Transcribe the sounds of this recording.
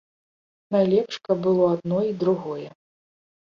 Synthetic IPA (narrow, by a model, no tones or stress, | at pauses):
najlʲɛpʂkɐb̚bɨlˠɔad̪̚nɔid̪ɾuɣɔjɛ